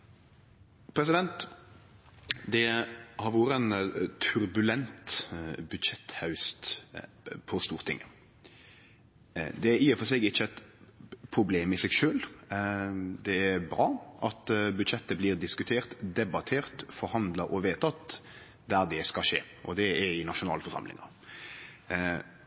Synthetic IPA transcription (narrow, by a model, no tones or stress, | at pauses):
pʰɾɛs̬ɪd̪ɛnt̪ | d̪ɛhɑɾʋoːɾəɛnt̪ʰʉɾbʉlɛnt̪bʉd̪ʃɛt̪hɑʉst̪ | pʰɔst̪uːɾt̪ʰɪ̰ŋːə | d̪ɛæɾiːɔfɔsɛːɡɪt͡ʃːəɛt̪pʰɾʊbleːmɪsɛɡʃøːl | d̪ɛːɾbɾɑːʔɑt̪bʉd̪ʃɛt̪ːəbliːɾd̪ɪskʉt̪ʰeːɾt̪d̪ɛbɑt̪ʰeːɾt̪fɔɾhɑnd̪ləɾɔʋeːt̪ɑt̪ | d̪æɾd̪ɛskɑʂḛː | ʔɔd̪ɛɛɾɪnɑʃʊnɑ̰ːlfɔɾʂɑ̰mlɪ̰ŋɑ̰